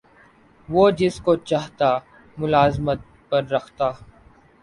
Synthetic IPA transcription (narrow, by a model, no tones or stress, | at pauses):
ʋoːd͡ʒɪskot͡ʃaːɦt̪a | mʊlaːzmət̪̚ | pɐɾːɐkʰt̪aː